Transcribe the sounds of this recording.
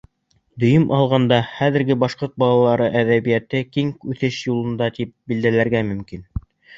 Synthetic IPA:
d̪ɵ̆jɵmʔɑlˠʁɑnd̪ɑχæðɘ̆ɾɡɘbɑʃqoɾt̪̚bɑlˠɑlˠɑɾɤʔæðæβijæt̪ɘkiŋkʉθɘʃjulˠɤ̆nd̪ɑt̪ip̚bild̪ælæɾɡæmɵ̆mkin

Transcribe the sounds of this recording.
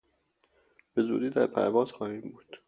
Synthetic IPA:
b̥e̞zṵːd̪iːd̪æɾpʰæ̰ɾvɒːz̥xɒːhiːmbuːd̪̥

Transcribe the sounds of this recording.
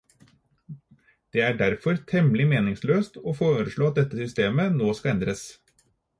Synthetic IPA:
d̪̥eːæɖæɾfɔɾt̪ʰɛmlɪmeːnɪŋsløːst̪oːfoːɾəʂɭoːɑt̪̚d̪ɛt̪ːəsʏst̪eːmənoːskɑɛnd̪ɾəs

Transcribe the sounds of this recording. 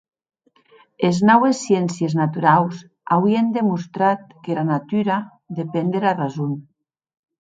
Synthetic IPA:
eznɔwesːjensjeznat̪uɾaws | awiend̪emust̪ɾat̪̚kelanat̪yɾa | d̪epend̪eɾarazun

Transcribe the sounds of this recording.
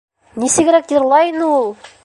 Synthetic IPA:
nisɘ̆ɡɘ̆ɾækjɤ̆ɾlˠɑjɤnɤulˠ

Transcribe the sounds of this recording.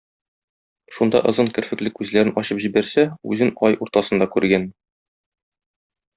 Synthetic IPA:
ʃund̪ɑ̰ʔɤ̆zɤnkɘ̆ɾfɘ̆klɘkʉzlæɾɘnɒɕɤpʑibæɾsæʉ̰zɘnɒjuɾt̪ɑsɤ̆nd̪ɑkʉɾɡæn

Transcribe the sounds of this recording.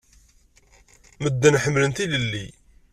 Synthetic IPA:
məd̪ːænħəmːlənt̪iləlːi

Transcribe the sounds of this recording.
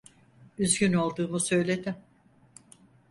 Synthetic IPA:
yzɟyno̞lˠd̪uːmusø̞jlʲe̞d̪ɪm

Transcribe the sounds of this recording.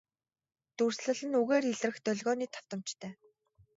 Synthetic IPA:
t̪ur̥sɮə̆ɮɘ̆nuɣeːriɮrɘ̆xt̪œɮɣɔːniːt̪ʰɔ̥w̥t̪ə̆mt͡ɕt̪ʰœː

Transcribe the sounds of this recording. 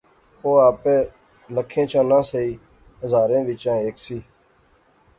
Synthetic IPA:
oːaːpeː | ləkʰẽːt͡ʃʰãːnãːsəiː | ɦəzaːɾẽːʋɪt͡ʃãːeːksiː

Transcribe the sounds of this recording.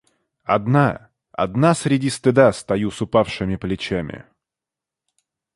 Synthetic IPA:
ɐ̰d̪na | ɐ̰d̪nasɾʲɪdʲist̪ɨd̪ast̪ɐjusʊpafʂɨmʲɪplʲɪt͡ɕamʲɪ̰

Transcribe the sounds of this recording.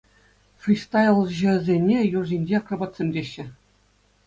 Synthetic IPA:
frʲist̪ɑjɤ̆lˠʑɘ̆zʲenʲejurzʲinʲd͡ʑeɑkrɑbɑt̪ʲsʲemʲdʲeɕːɘ̆

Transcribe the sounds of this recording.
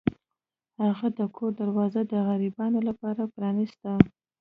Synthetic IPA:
haɣad̪əkʰoɾd̪aɾwɑzad̪əɣaɾibɑnolapɑɾapɾɑnɪst̪a

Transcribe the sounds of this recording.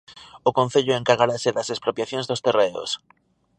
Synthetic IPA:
ʊkõn̟θeʎʊeŋkaɾɣaɾasɪðɐsespɾopjaθjoŋzðost̪ereo̰s

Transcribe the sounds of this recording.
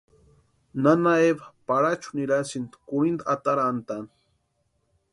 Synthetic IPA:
nanaebapaɾat͡ʃu̥niɾasind̪kuɾind̪at̪aɾaant̪an

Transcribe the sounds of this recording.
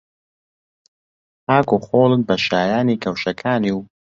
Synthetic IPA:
haːkuːxoːlˠɨnbɐʃaːjaːnikʰɐwʃɐkʰaːniw

